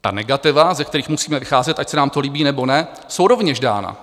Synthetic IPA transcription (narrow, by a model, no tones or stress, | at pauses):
t̪a̰nɛɡat̪ɪvazɛk̚t̪ɛɾiːxmusiːmɛvɪxaːzɛt̪ʔacsɛnaːmt̪oliːbiːnɛbo̞nɛ | so̞wɾo̞vɲɛʒda̰ːna̰